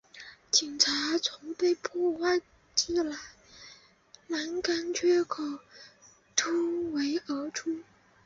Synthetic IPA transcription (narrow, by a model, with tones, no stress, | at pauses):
t͡ɕi˨˩ŋʈ͡ʂʰa˧˥t͡sʰʊ˧˥ŋpe˥˧ɪpʰɔ˥˧˩wa˥˩ɪ | t͡ɕi˥˩la˧˥ɪ | na˧˥nka˥nt͡ɕʰɥɛ˥kʰo˨˩ʊ | t̪ʰu˥we˧˥ɪə˧˥ʈ͡ʂʰu˥